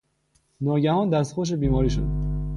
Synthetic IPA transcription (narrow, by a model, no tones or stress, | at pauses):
nɒːɟæhɒːnd̪æst̪xoʃ̬ebiːmɒːɾiːʃo̰d̪